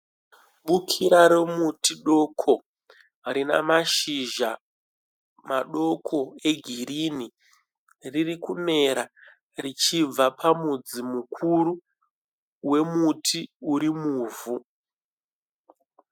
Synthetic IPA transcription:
ɓukʰiɾaɾemutiɗo̞kʰo̞ | ɾina̰maʃiʒa | maɗo̞kʰo̞e̞ɡʱirini | ririkune̞ɾa | rit͡ʃib͡vapʰamud͡zimukʰuɾu | we̞mutʰiuɾimuːvu

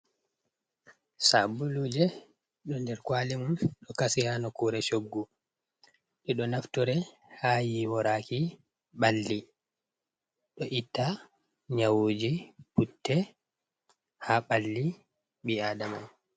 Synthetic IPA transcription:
sabulud͡ʒɛ | ɗɔndɛɾkwalimunɗɔkasiɾanɔkuːɾɛt͡ʃoɡːu | ɗɛɗɔnaftuɾɛ | hajiwɔɾaki | ɓalːi | ɗɔʔitːa | ɲawoːd͡ʒiputːɛ | haɓalːi | ɓiaːdaman

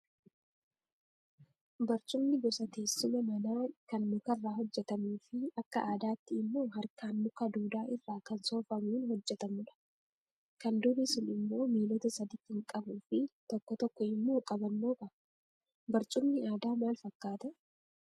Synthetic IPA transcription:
bɐɾt͡ʃʼʊmnɪɡɔsɐt̪eːsːʊmɐmɐnaːkɐnmʊkɐrːaːɦɔd͡ʒːɛt̪ɐmuːfɪɐkːɐʔaːd̪aːt̪ːɪːmːo̞ːɦɐɾkʰaːnːʊkɐd̪uːd̪aːʔɪrːaːkɐnso̞ːfɐmuːnhɔd͡ʒːɛt̪ɐmʊᶑɐ̥ | kɐnd̪ʊɾɪsɪnɪmːo̞ːmiːlɔt̪ɐsɐd̪iːt̪ːɪŋkʼɐbuːfɪt̪ɔkːɔt̪ɔkːɔɪmːoːkʼɐbɐnːoːkɐ | bɐɾt͡ʃʼʊmnɪaːd̪aːmaːlfɐkːaːt̪ɛ

